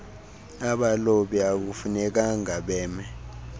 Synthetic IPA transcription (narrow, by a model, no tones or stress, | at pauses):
aɓaloɓiak̬ufunɛk̬aŋaɓɛːmɛ